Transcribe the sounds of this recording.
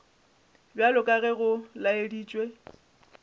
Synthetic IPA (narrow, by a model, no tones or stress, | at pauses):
bjalʊkʼaɣɛɣʊlaediːt͡ʃʼwe